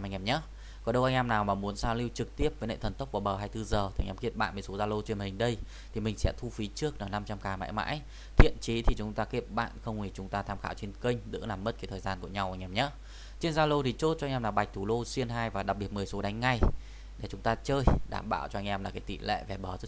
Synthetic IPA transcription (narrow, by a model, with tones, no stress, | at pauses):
mʔa˧˩ŋ̟ʔɛ˧˩mɲə˧˦˥ | kɔ˨˦ɗə˧wʔa˧ŋ̟ʔɛ˧mnaː˨˩wmaː˨˩mu˨˦ənsaː˧wli˧wt͡ɕɨ˨˩k̚t̪i˦˥əp̚vəː˨˦jnə̰˧˨t̪ʰə˨˩nt̪ə˦˥k͡p̚vuː˧˩ɓəː˨˩ɦaː˧jt̪ɨ˧zəː˨˩˨ŋʔɛ˧mkḭ˧˥əp̚ɓa̰ː˧˨nmə˨˩jso˨˦zaː˧lo˧t͡ɕe˧nmï˨˩ŋ̟ɗə˧j | t̪ʰi˨˩mï˨˩ŋ̟sɛ̰˧˥t̪ʰu˧fi˨˦t͡ɕɨ˦˥ək̚naː˨˩na˧mt͡ɕa˧mkaː˨˩ma̰ː˧˥jma̰ː˧˥j | t̪ʰḭ˧˨ənt͡ɕi˨˦t̪ʰi˨˩t͡ɕʊ˨˦ŋ͡mt̪aː˧ki˦˥əp̚ɓa̰ː˧˨nxə˧wŋ͡mŋwi˧˩t͡ɕʊ˨˦ŋ͡mt̪aː˧t̪ʰaː˧mxaː˧˥wt͡ɕe˧nkï˧ŋ̟zɨ̰˧˥laː˨˩mːə˦˥t̚kaː˨˦jt̪ʰəː˨˩jzaː˧nku˧˩əɲa˧wʔa˧jŋ̟ʔɛ˧mɲə˦˥ | t͡ɕe˧nzaː˧lo˧t̪ʰi˨˩t͡ɕo˦˥t̚t͡ɕɔ˧ŋ̟ʔmlaː˨˩wɓa˨˩j̟̚t̪ʰu˨˩lo˧si˧ənɦaː˧jvaː˨˩ɗaː˨˩ɓi˨˩ət̚m˨˩əjso˨˦ɗa˨˦jŋ̟ŋa˧˩j | ɗe˧˩t͡ɕʊ˨˦ŋ͡mt̪aː˧t͡ɕəː˧jɗa̰ː˧˨˩mɓa̰ː˧˨wt͡ɕɔ˧a˧ŋ̟ʔɛ˧mlaː˨˩kaː˨˦jt̪ḭ˧˨lɛ̰˧˨vɛ˨˩ɓəː˨˩zə˦˥